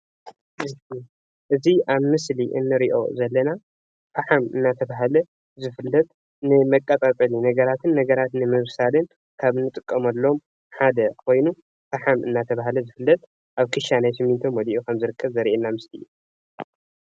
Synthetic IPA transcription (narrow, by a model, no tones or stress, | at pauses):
ɨi | ʔɨziʔaβmɨsliʔɨ̰nːɨɾiʔo̞̰zɐlːɐna | faħamɨ̰nːat̪ʰɐβaɦalɐ | zɨfɨlːɐt̪ʼ | nɨmɐkʼːɐt̪ʼat̪ʼɐlinɐɡɐɾat̪ʰɨnːɐɡɐɾat̪nɨmɨβsalɨn | kʰaβnɨt̪ʼɨkʼːɐmɐlːo̞m | ħad̪ɐkʰo̞jnu | faħamɨnːat̪ʰɐβaɦalɐzɨfɨlːɐt̪ʼ | ʔaβkʰɨʃanajsɨmːint̪ʰomwɐliʔokʰɐmzɨɾɨkʰːɐβzɐɾʔenːamɨsliju